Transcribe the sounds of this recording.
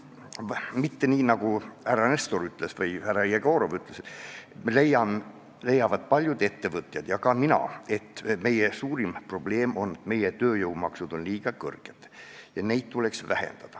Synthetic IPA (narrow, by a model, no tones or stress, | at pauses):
mit̪ːe̞niːnɑɡ̥uhærːɑnest̪oɾyt̪ːˑle̞svɤjhærːɑjeɡ̥oːɾovyt̪ˑles | lejɑm | le̞jːɑvɑd̪̥̚pɑlʲjud̪e̞t̪ːe̞vɤt̪ˑjɑd̪̥jɑkɑminɑ̰e̞t̪ːˑme̞jesuːɾimpro̞b̥le̞ːmo̞nːe̞t̪me̞jet̪ø̞ːjɤwmɑksud̪̥o̞nliːɡ̥ɑkɤ̰rɡ̥et̪jɑne̞jd̪̥̚t̪ule̞ksvæhḛnd̪̥ɑd̪̥ɑ